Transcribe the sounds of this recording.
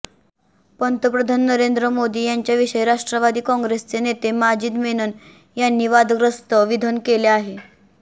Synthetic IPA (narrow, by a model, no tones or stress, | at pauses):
pənt̪əpɾəd̪ʱanːəɾend̪ɾəmod̪iːjaɲt͡ɕjaʋiɕəjɾaʂʈɾəʋad̪iːkɔ̃ŋɡɾest͡senet̪emad͡ʑiːd̪menun | janːiːʋad̪ʱɡɾəst̪əʋid̪ʱənkeleaɦe